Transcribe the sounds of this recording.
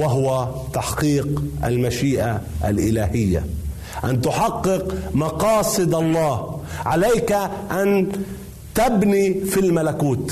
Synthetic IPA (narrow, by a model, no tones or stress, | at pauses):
waɦʊwat̪aħqiːqʔa̰lmaʃiːʔaʔa̰lʔɪlaːhɪjːa̰ | ʔant̪ʊħɑqːɨqmɑqɑːsˤɨd̪ʔɑlˤːɑːhʕalajkaʔan | t̪abnifilmalakuːt̪